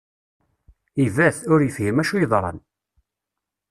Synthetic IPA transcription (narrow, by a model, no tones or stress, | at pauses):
ivæθʊɾjəfʝəmæʃujəðˤɾˤə̰n